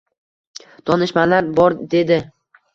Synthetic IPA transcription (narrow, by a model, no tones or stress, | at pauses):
t̪ʰɒnɪʃmalaɾbɒɾd̪e̞d̪ɪ